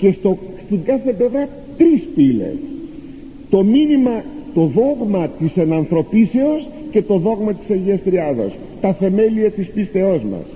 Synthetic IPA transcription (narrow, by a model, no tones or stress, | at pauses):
ce̞st̪ost̪iŋɡɐθeple̞vɾɐ | t̪ɾispilḛs | t̪o̞minimɐt̪o̞ðo̞ɣmɐt̪isenɐnθɾo̞pise̞o̞sce̞t̪o̞ðo̞ɣmɐt̪i̥sɐɲʝiɐst̪ɾiɐðo̰s | t̪ɐθe̞me̞liɐt̪ispist̪e̞o̞zmɐ̰s